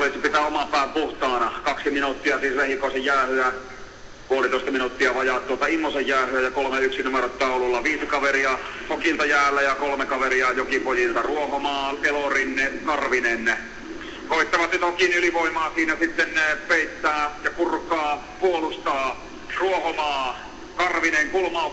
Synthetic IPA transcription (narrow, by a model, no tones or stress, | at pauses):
olisipit̪æomɑpæˑːmpuht̪ɑːnɑkɑksiminut̪ːiɑsiːslehikoˑesejjæːhyæ | puolit̪oˑest̪ɑminut̪ːiɑʋɑjɑtt̪uot̪ɑimːosejjæːhyæjɑkolmeyksinumeɾot̪ːɑululːɑʋiːsikɑʋeriɑ | okilt̪ɑjæːlːæjɑkolmekɑʋeriɑjokipojilt̪ɑruohomɑːelorinːekɑrʋinene | koit̪ːɑʋɑt̪nyt̪okinyliʋoimˑɑːsiːnæsit̪ːenpeˑit̪ːæːjɑkurkˑɑː | puolust̪ɑː | ruohomɑː | kɑrʋineŋkulmɑː